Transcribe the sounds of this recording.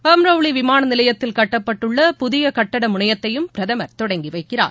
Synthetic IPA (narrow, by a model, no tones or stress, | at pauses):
ɐmɾɐʋɭiʋɪmaːnɐnɪlɐjɐt̪ːɪlkɐʈːɐpːɐʈːɯɭːɐpʊðɪjɐkɐʈːɐɽɐmʊɳɐjɐt̪ːɐjɯmpɪɾɐðɐmɐɾt̪ɔɽɐŋɡiʋɐɪkːɪra̰ːɾ